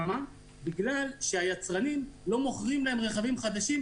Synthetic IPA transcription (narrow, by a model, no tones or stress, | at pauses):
ma | biɡlalʃeajat͡sʁanimlo̞mo̞χʁimlae̞mʁeχavimχad̪aʃim